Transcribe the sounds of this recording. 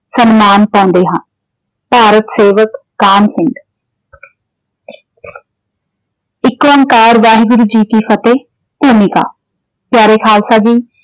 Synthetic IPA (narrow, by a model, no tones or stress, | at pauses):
sənmaːnpãːnd̪eːɦãːn | paːɾət̪seːʋəkːaːnsɪŋɡ | ɪkʋəŋkaːɾʋaːɦiɡʊɾuːd͡ʒiːkiːpʰət̪eː | puːmika̰ː | pjaːɾeːkʰaːlsaːd͡ʒiː